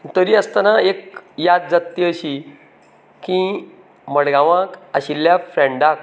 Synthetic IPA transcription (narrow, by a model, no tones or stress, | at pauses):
t̪əɾiəst̪anaek̚jad̪̚d͡zat̪ːiəɕi | kĩ | məɽɡãʋãkəɕilːjafɾeɳɖak